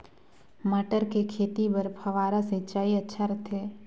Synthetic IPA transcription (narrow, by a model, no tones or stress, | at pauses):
məʈəɾkekʰeːt̪ipəɾpʰɐʋaːɾaset͡ʃaːiɐtːʃʰaɾɐt̪ʰeː